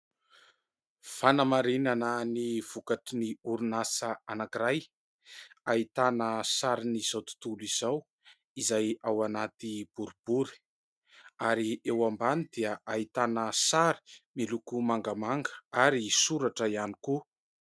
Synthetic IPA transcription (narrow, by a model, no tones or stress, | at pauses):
fanəmaɾinanəniv̥ukaʈ͡ʂiniuɾunasəanakiɾaj | ait̪anəsaɾiniz̥awt̪u̥t̪uliz̥aw | izajawanat̪ib̥uɾub̥uɾi̥ | aɾiewambanid̪iəʔait̪anəsaɾi̥milukumaŋɡamaŋɡə̥aɾisuɾaʈ͡ʂəianiku